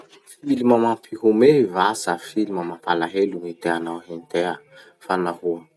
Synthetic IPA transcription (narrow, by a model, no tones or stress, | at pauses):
filimamampʰiɦumevasafilimamapalaɦelumit̪eanawɦint̪ea | fanaɦuə